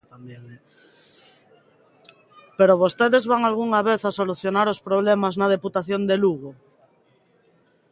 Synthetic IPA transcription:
t̪ambjeŋe | peɾoβ̞ost̪eðezβaŋalɣ̞uŋaβ̞eθaso̞luθjonaɾospɾoβ̞lemaznað̞e̞put̪aθjond̪eluɣ̞o

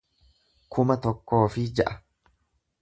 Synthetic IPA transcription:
kʰʊmɐt̪ɔkːo̞ːfɪd͡ʒɐʔɐ

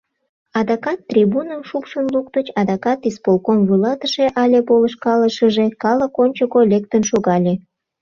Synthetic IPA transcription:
ɑd̪ɑkɑt̪ːrʲibunəmʃupʃənluk̚t̪ət͡ɕɑd̪ɑkɑt̪ispolkonvujlɑt̪əʃeʔɑlʲepoləʃkɑləʃəʒekɑləkonʲt͡ɕəkolʲek̚t̪ənʃoɣɑlʲe

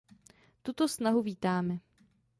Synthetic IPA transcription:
t̪ut̪o̞snaɦuviːt̪aːmɛ

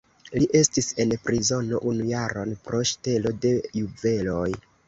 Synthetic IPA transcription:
liʔe̞stise̞npɾizo̞no̞̰ʔunujaɾo̞npɾo̞ʃte̞lo̞de̞juve̞lo̞j

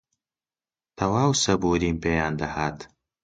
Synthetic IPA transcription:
t̪ʰɐwaːwsɐbuːɾiːmpeːjaːnd̪ɐhaːt̪

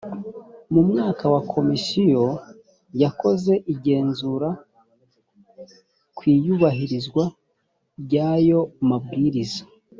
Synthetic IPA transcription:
mumŋaːkawakʰo̞misijo̞ | jako̞ze̞ʔiɟe̞ːnzuɾa | kwiːjuβaɦiɾizɡwa | ɾɟaːjo̞mab̚ɡiːɾizḁ

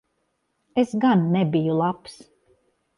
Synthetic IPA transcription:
esɡanːɛbijulˠaps

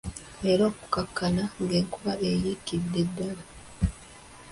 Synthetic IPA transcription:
eɾo̞ːku̥kakːanaŋɡeːŋkuβaʔejikidːedːala

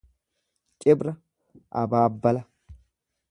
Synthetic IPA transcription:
t͡ʃʼɪbɾɐ | ʔɐbaːbːɐlɐ

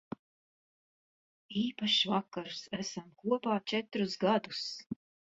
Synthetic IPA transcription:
iːpaʃvakːaɾsæsamkuɔpaːt͡ʃɛt̪ɾusɡad̪us

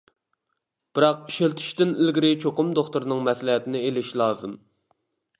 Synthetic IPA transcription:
b̥ɨɾɑqi̥ʃelt̪ʰy̥ʃt̪ɪnɪlɡʲiɾɪt͡ʃʰoqʊmd̪oχt̪uɾnɨŋmɛslɛɦɛt̪ɪnɪelɪʃlˠɑːzɨm

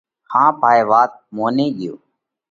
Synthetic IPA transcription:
hʰãːpʰaːeːʋaːt̪̚moːniːɗɪjoː

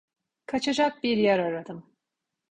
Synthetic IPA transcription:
kʰat͡ʃʰad͡ʒak̚biɾjæɾaɾad̪ɯm

